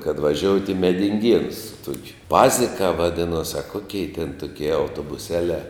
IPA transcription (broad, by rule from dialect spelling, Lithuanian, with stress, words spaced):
kɐt ʋɐˈʒʲoːʊtʲ ɪ mʲɛdʲɪŋʲˈɡʲiɛnʊs sʊ ˈtuɔkʲʊ ˈpɑːzʲɪkɑː ʋɐˈdʲɪnoːs ɐ ˈkoːkʲɛɪ tʲɛn ˈtʊkʲiɛ ɐʊtoːbʊˈsʲæːlʲɛː